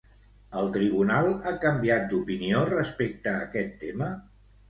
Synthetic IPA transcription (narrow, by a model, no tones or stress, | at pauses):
əlˠt̪ɾiβ̞unalˠakəmbiat̪̚d̪upiniorəspek̚t̪əːkɛt̪ːemə